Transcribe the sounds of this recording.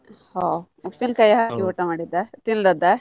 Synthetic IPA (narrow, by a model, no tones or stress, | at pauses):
ho | upːinkɐjɐɦakiuʈɐmaːɽid̪ɐt̪ind̪ɐd̪ɐ